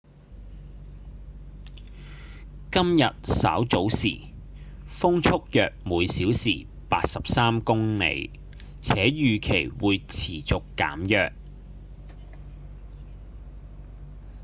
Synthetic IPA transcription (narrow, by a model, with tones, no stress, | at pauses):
kɐ˥mjɐ˨t̚sɐ̰ː˨˥wt͡so˨˥wsiː˨˩ | fʊ˥ŋt͡sʰʊ˥k̚jœː˨k̚muː˨˧jsiː˨˥wsiː˨˩ | paː˧t̚sɐ˨p̚saː˥mkʊ˥ŋnḛ˨˧j | t͡sʰɛː˨˥jyː˨kʰe˨˩jwuː˨˧jt͡sʰiː˨˩t͡sʊ˨kːa̰ː˨˥mjœː˨k̚